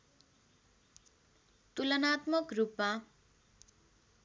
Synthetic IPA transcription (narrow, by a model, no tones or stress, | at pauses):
t̪ulʌnat̪mʌkrupma